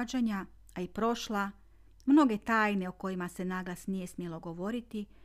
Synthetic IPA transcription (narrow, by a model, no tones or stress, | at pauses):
d͡ʒaɲa | aipɾo̞ʃla | mno̞ɡe̞t̪aːjne̞oko̞jimase̞naɡlasnije̞smjelo̞ɡo̞ʋo̞ɾit̪i